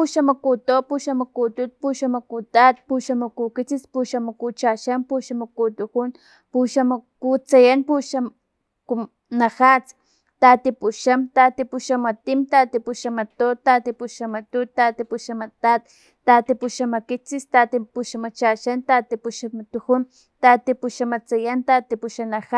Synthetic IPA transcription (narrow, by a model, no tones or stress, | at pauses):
puʃamakut̪opuʃamakut̪ut̪̚puʃamakut̪at̪̚puʃamakukit͡sispuʃamakut͡ʃaʃampuʃamakut̪ukun | puʃamakut͡sajanpuʃam | kum | naxat͡s | t̪aːt̪ipuʃamt̪at̪ipuʃamat̪imt̪aːt̪ipuʃamat̪ot̪at̪ipuʃamat̪ut̪at̪ipuʃamat̪at̪ː | at̪ipuʃamakit͡sist̪at̪ipuʃamat͡ʃaʃant̪at̪ipuʃamat̪uxun | t̪at̪ipuʃamat͡sajant̪at̪ipuʃanaxa